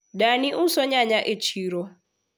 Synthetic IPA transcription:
daniʔusɔɲaɲaʔet͡ʃʰiɾɔ

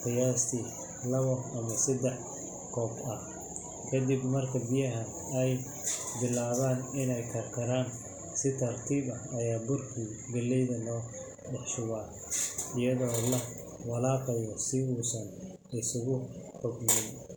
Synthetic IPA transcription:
qɪjaːst̪ʰiː | lɐβɔɐmɐsɐd̪ɛħ | kʰɔːbɐh | kʰɐd̪ibmɐrkʰɐbɪjɐɦɐn | ɛj | bɪlaːβaːnɪnɛjkʰɐrkʰɐɾaːn | sɪt̪ʰɐrt̪ʰiːbɐɐjaːbʊrkʰiɡɐlɛjðɐnɔː | ɖɑħʃʊwaː | ɪjɐðɔːlɐ | wɑlaːqɛjɔsɪuːsɐn | ɪsʊɣʊħɔɡnɪn

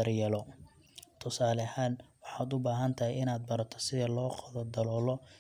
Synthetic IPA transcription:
ɐrjɐlɔ | t̪ʰʊsaːlɐhaːnwɑħɑːd̪ʊbaːɦɐnt̪ʰɐɦɪɪnaːd̪̚bɐɾɐt̪ʰɔ̥sɪðɛlɔːqɑðɐd̪ɐlɔːlɔ

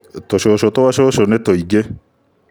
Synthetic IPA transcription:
toʃoʃotowaʃoʃonetoiɡe

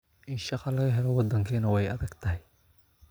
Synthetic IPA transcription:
ʔɪnʃɑqɑlɐɣɐɦɛlɔwɑd̪ɐŋkʰiːnɐwɛjɐðɐɡt̪ʰɐɦɪj

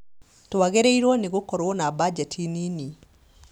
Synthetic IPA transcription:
toaɣeɾeiɾwɔneɣokɔɾwɔnabad͡ʒɛtʰinini

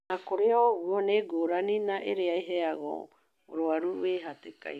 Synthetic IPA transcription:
akoɾeoɡuoneɡoɾaninaʔeɾeajɦeaɣo̰ | o̰ɾoaɾueɦateka̰

